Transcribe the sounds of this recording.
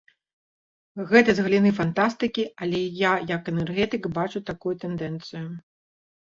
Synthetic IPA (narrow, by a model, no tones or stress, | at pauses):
ɣɛt̪ɐzɣɐlʲinɨfant̪ast̪ɨkʲialʲɛjajɐkɛnɛrɣɛt̪ɨkbat͡ʂut̪akujut̪ɛnd̪ɛnt̪sɨjʊ